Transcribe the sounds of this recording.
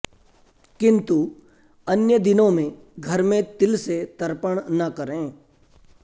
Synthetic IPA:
kɪ̃nt̪u | ɐnjəd̪ɪnõmẽ | ɡʱɐɾmẽt̪ɪlset̪əɾpəɽ̃nɐkəɾẽː

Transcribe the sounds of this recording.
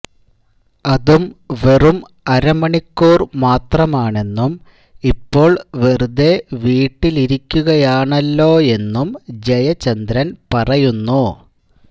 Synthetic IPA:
ɐðumʋe̞rum | ɐɾɐmɐɳikːuːrmaːt̪rɐmaːɳe̞nːum | ipːo̞ːɭʋerud̪e̞ʋiːʈːiliɾikʲːuɣɐjaːɳɐlːo̞ːe̞nːumd͡ʑɐjɐt͡ɕɐnd̪ɾɐnpɐrɐjunːu

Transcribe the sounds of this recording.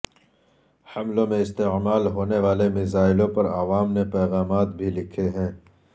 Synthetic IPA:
hɐmlõmẽɪst̪eʕmaːlɦoːneʋaːlemɪzaːɪlõpɐɾaːʋaːmnepɛːɣaːmaːt̪bʱilɪkʰeɦɛ̃ː

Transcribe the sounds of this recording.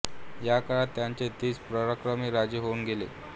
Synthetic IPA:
jakəɭat̪ːjaɲt͡ɕet̪iːt͡spɾəɾakɾəmiːɾad͡ʑiɦounɡelḛ

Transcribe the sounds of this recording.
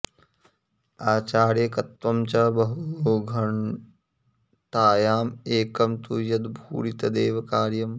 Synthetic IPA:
aːt͡ʃaːɾjɐkɐt̪ʋɐmt͡ʃɐbɐɦuɡʱɐɳ | t̪aːjaːmeːkɐmt̪ujɐd̪bʱṵːɾit̪ɐd̪eːʋɐkaːɾjɐm

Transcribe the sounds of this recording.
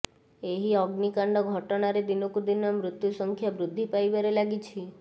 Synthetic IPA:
eɦiɔɡnikaɳɖɔɡʱɔʈɔnaɾed̪inokud̪inamɾʊt̪jusɔŋkʰjabɾud̪ʱːipajbəɾelaɡit͡ʃʰi

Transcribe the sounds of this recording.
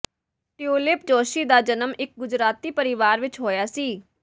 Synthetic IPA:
ʈɪuːlɪp̚d͡ʒoːʃiːd̪aːd͡ʒənəmɪk̚ɡʊd͡ʒɾaːt̪iːpəɾɪʋaːɾʋɪt͡ʃɦoːjaːsiː

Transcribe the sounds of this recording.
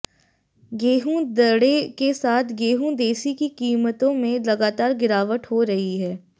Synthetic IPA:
ɡeːɦũd̪ɐɽekesaːt̪ʰɡeːɦũd̪eːsikikiːmət̪õmẽlɐɡaːt̪aːɾɡɪɾaːʋəʈ̪ɦoɾɐɦiɦɛː

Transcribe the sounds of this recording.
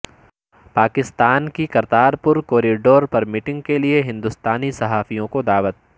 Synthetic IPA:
paːkɪst̪aːnkikɐɾt̪aːɾpʊɾkoːɾiɖoːɾpɐɾmɪʈɪ̃ŋɡ̚kelieɦɪ̃nd̪ʊst̪aːnisɐɦaːfijõkod̪aːʋət̪̚

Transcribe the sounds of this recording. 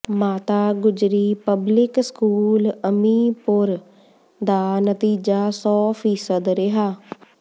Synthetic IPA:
maːt̪aːɡʊd͡ʒɾiːpəblɪkskuːləmiːpʊɾ | d̪aːnət̪iːd͡ʒaːsɔːpʰiːsəd̪ɾɪɦaː

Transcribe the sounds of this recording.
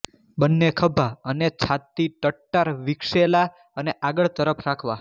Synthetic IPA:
bənːekʰəbʱaənet͡ʃʰat̪ːiʈəʈːaɾʋikʃela | əneʔaɡəɭt̪əɾəpʰɾakʰʋa

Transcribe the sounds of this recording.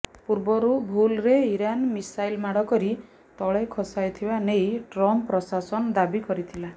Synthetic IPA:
puɾbɔɾubʱulɾeiɾanmisajlmaɽ̤ɔkɔɾi | t̪ɔɭekʰɔsajt̪ʰibanejʈɾɔmpɾɔsasɔnɔd̪abikɔɾit̪ʰila

